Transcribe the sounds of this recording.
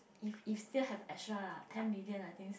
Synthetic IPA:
ififstilhɛvɛkʃatʰɛ̃nmiliə̃najt̪ĩŋ

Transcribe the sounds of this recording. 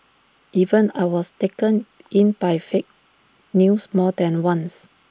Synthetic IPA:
ʔivə̃najwɔstekə̃n | ʔĩnbajfek̚ | nusmɔdɛ̃nwãns

